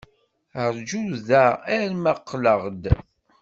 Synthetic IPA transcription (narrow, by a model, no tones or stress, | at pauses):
əɾd͡ʒuðææɾməqːləʁd̪